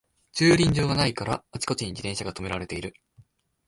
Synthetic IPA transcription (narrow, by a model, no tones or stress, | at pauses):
t͡ɕɨːɾʲĩɲ̟d͡ʑo̞ːɡanaikaɾaat͡ɕi̥ko̞t͡ɕiɲ̟id͡ʑit̪ẽɕaɡat̪o̞me̞ɾaɾe̞t̪e̞iɾɯ̟